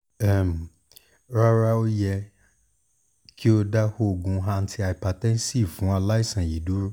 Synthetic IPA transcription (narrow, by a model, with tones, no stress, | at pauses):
ɛ˦˨m˨ | ɾa˦ɾa˦o˦jɛ˧ | kʰi˦o˧da˦ho˦˨ɡũ˨˦ɦã˧n̩˦tʰi˧a˨jpa˨tɛ̃˦n˦si˦˨fũ˨˦a˧la˦i˦˨sã˨ji˨du˨˦ɾu˦